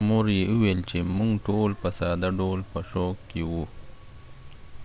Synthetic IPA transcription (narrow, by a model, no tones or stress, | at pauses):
moɾjeuwelt͡ʃemʊŋɡʈolpəsɑd̪aɖolpəʃokkːewu